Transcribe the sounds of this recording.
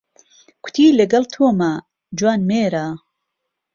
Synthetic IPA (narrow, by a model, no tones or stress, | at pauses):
kʰʊ̥t̪ʰiːlɐɡɐlt̪ʰoːmaː | d͡ʒwaːnmeːɾaː